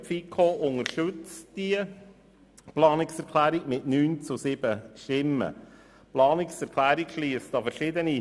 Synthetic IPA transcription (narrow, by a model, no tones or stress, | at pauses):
fikʰoːʔʊŋəɾʃɵt͡sd̥iə | plɑːnɪksɛɾkʰlæːɾiɡmɪtnyːnt͡susɪb̥əʃtɪmːə̰ | plɑːniksɛɾkʰlæːɾikʃliːstɑfɛɾʃɪd̪əni